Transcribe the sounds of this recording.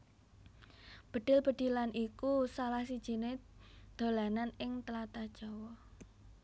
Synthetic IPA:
b̥ə̤ɖ̪̥ɪlb̥ə̤d̪̥i̤lanʔikusalahsid̥ʒ̥i̤ned̪̥o̤lananɪŋt̪əlat̪ad̥ʒ̥ɔ̤wɔ

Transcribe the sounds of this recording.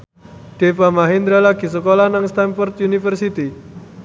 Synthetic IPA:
ɖ̥e̤pamaɦind̪ɾalaɡ̥i̤s̬əkolanaŋst̪anfɔrt̪̚junifərsit̪i

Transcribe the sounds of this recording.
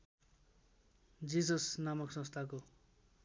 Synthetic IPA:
d͡zisʌsnamʌksʌ̃st̪ʰako

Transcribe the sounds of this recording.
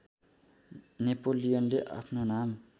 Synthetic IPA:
nepolijʌnleʔa̰pʰnonam

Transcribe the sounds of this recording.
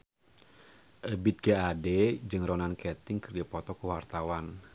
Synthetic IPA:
ʔəbit̪̚ɡaadɛd͡ʒɨŋrɔnankɛt̪ɪŋkɨrdapɔt̪ɔkəwart̪awan

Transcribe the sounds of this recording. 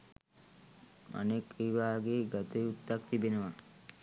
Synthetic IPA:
a̰nekejbaːɡeːɡat̪eut̪ːakt̪ibenəʋa

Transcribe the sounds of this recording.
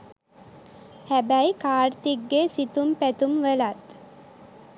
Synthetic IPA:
hæbæjkaːɾt̪iɡːesit̪umpæt̪umʋəlat̪

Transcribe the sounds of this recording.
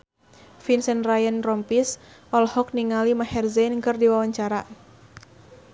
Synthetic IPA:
finsənrajənrɔmpisɔlhɔk̚niŋalimahɛrzɛnkɨrdiwawaɲt͡ʃaɾa

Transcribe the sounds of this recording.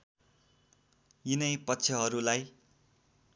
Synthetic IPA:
jinʌjpʌtːsʰʌɦʌɾulaj

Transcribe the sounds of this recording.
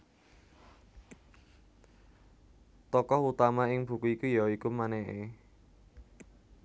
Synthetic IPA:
t̪ɔkɔhut̪amaɪŋb̥ṳkuikujaikumanɛʔe

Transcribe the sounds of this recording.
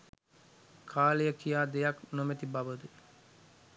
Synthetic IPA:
kʰaːlejəkijaːd̪ejaknomet̪ibaʋəd̪u

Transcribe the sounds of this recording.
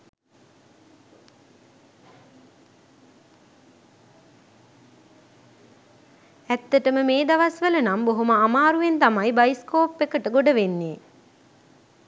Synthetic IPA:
æt̪ːəʈəməmeːd̪aʋasʋələnamboɦoməamaːɾuʋent̪amajbajiskoːpːekəʈəɡoɖəʋenːeː

